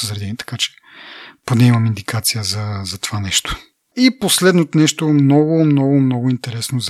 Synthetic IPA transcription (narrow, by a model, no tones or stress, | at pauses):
əzɾɛd̪ɛniɛt̪ɐ̥kat͡ʃɛ̥ | pod̪ɛimɐmind̪ikat̪sijəzɐzɐt̪o̥vanɛʃt̪o̥ | iposlɛd̪not̪onɛʃt̪omnɔɡʊmnɔɡʊmnɔɡʊint̪ɛɾɛsnoz